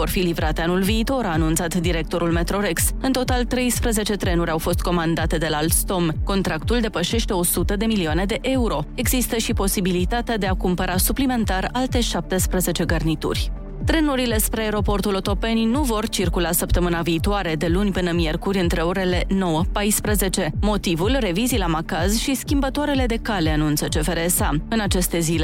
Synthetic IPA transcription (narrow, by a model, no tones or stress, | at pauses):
vo̞rfilivɾat̪e̞anulviːt̪o̞ɾaːnũnt̪sat̪d̪iɾe̞k̚t̪o̞ɾulme̞t̪ɾo̞ɾe̞ksɨnt̪o̞t̪alt̪ɾe̞jspɾeze̞t͡ʃe̞t̪ɾe̞nuɾʲawfo̞st̪̚ko̞mand̪at̪e̞d̪e̞lalt̪st̪o̞mko̞nt̪ɾakt̪uld̪epəʃe̞ʃt̪e̞o̞sut̪əd̪e̞milioane̞d̪e̞ʔe̞uɾo̞e̞ɡzist̪əʃipo̞sibilit̪at̪ead̪e̞akumpəɾasuplime̞nt̪aralt̪e̞ʃap̚t̪espɾeze̞t͡ʃe̞ɡərnit̪ṵrʲ | t̪ɾe̞nuɾile̞spɾeaeɾo̞po̞rt̪ulo̞t̪o̞pe̞ninuvo̞rt͡ʃirkulasəp̚t̪əmɨnaviːt̪oaɾe̞d̪e̞lunʲpɨnəmje̞rkuɾʲɨnt̪ɾe̞oɾe̞le̞no̞wəpajspɾəze̞t͡ʃe̞mo̞t̪ivulre̞vizilamakazʃiskʲimbət̪oaɾe̞le̞d̪e̞kaleanunt̪sət͡ʃe̞feɾesaɨnat͡ʃe̞st̪e̞zile